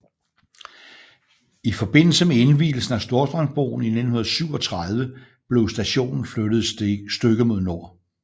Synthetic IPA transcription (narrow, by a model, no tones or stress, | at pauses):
ifɒ̽b̥e̝n̰l̩səmee̝nʋḭːl̩sn̩æsd̥o̝ɐsd̥ʁɑ̈ŋsb̥o̰ːʊn̩ine̝d̥n̩hunɐðˠsyʊ̰ɒ̽t͡sʰʁað̞ˠʋə | b̥le̝ʊsd̥æɕo̝̰ːnn̩fød̥ð̞̩ˠsd̥øɡ̥əmo̝ð̞ˠno̝ɐ̰